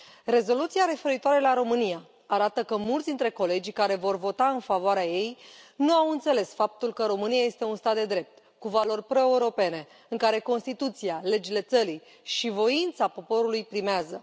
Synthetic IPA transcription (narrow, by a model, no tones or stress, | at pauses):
re̞zo̞lut̪siaɾe̞fe̞ɾit̪oaɾe̞laɾo̞mɨnija | aɾat̪əkəmult̪d̪int̪ɾe̞ko̞le̞d͡ʒʲkaɾe̞vo̞rvo̞t̪aɨnfavoaɾeaje̞jnuawɨnt̪se̞le̞sfap̚t̪ulkəɾo̞mɨniaje̞st̪e̞unst̪at̪̚d̪e̞d̪ɾe̞p̚t̪ | kuvalo̞rʲpɾo̞euɾo̞pe̞ne̞ | ɨŋkaɾe̞ko̞nst̪it̪ut̪siale̞d͡ʒile̞t̪səɾi | ʃivo̞int̪sapo̞po̞ɾulujpɾimeazə